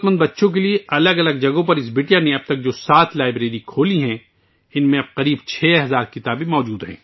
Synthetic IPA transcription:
t̪mə̃nd̪bɐtːʃõk̬elieɐləɡɐləɡ̚d͡ʒɐɡõpɐɾɪs̬bɪːʈjanẽɐb̚t̪ɐk̚d͡ʒoːsaːt̪ʰlaːɪbɾeːɾikʰoːliɦɛ̃ | ɪnmẽɐb̚qɐɾiːbt͡ʃʰɛːɦɐzaːɾkɪt̪aːbẽmɔːd͡ʒuːd̪ɦɛ̰̃ː

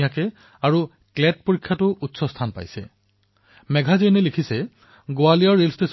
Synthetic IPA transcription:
jakɛ | aɹu | klɛt̚poɹikʰːjatʊʔutsɔstʰanpa̰jsɛ̰ | mɛɡʱazenɛlikʰisɛ | ɡoalijɔɹːelstes

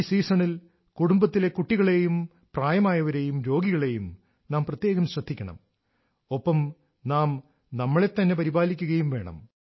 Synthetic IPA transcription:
siːsɐɳil | kuɽumbɐt̪ːile̞kuʈːiɣɐɭe̞jum | praːjɐmaːjɐʋɐɾeːjumɾo̞ːɡiɣɐɭe̞jum | naːmprɐt̪je̞ːɣɐmɕrɐd̪ʱːikʲːɐɳɐ̰m | o̞pːɐm | naːm | nɐmːɐɭe̞t̪ːɐnːe̞pɐɾibaːlikʲːuɣɐjumʋe̞ːɳɐ̰m

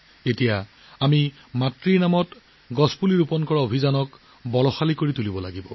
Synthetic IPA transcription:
etija | ami | matɹiɹnamɔt | ɡɔspuliɹupɔnkɔɹaobʱizanɔk | bɔlɔxalikoɹitulibɔlaɡibɔ

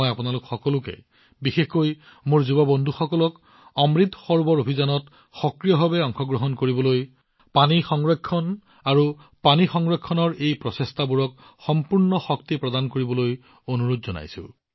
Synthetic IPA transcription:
japunalʊkxɔkɔlʊkɛ̰ | bixexkoj | mʊɹzubɔbɔndʱuxɔkɔlɔk | ɔmɹit̪ʰːxɔɹbɔɹobʱizanɔt | xɔkɹijɔbʱabɛɔŋxʰɔɡɹɔɦɔnkoɹibɔloj | panixɔŋɹekʰːɔn | aɹu | panixɔŋɹekʰːɔnɔɹejpɹɔsestʰabuɹɔk̚ | xɔmpuɹnɔxɔk̚tipɹɔdankoɹibɔloj | onuɹodzɔna̰jsʊ̰̃

